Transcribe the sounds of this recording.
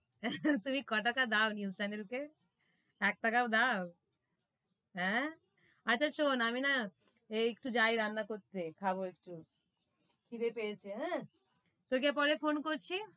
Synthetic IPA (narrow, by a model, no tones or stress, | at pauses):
t̪umikɔʈakad̪aonjust͡ɕanelke | ɛk̚ʈakad̪ao | ɦɛ̃ | atːɕʰaʃonamina | eek̚ʈud͡ʑajɾanːakoɾt̪ekʰaβoekʈu | kʰiɾepejet͡ɕʰeɦɛ̃ | t̪okep̬ɔɾefonkoɾt͡ɕʰi